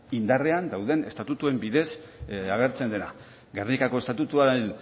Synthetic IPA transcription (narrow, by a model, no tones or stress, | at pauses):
ind̪are̞and̪awðe̞ne̞st̪at̪ut̪ue̞mbiðe̞saɣe̞ɾt͡se̞nd̪e̞na̰ | ɡernikakoest̪at̪ut̪uaen